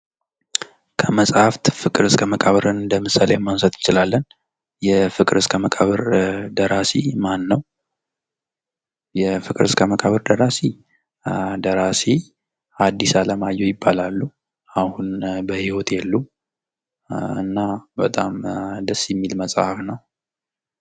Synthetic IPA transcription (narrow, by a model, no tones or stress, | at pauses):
kʰəməsʼhaft̪fɨkʼɨɾɨskʰəməkʼaβəɾɨnd̪əmɨsalejɛmːansət̪ɨnt͡ʃɪlalːən | jɛfɨkʼɨɾɨskʰəməkʼaβəɾd̪əɾasimanːəw | jɛfɨkʼɨɾɨskʰəməkʼaβəɾd̪əɾasi | d̪əɾasi | ad̪ːisaləmajːɛjɪbːalalːu | ahunbəhiwot̪jɛlːu | ɨ̰nːabət̪ʼamd̪əsːjɛmːilməsʼhafnəw